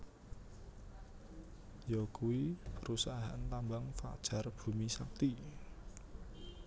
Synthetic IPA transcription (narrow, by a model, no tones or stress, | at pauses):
jɔkuwipəɾusaaa̰nt̪ambaŋfa̰d̥ʒ̥a̤rb̥ṳmisak̚t̪i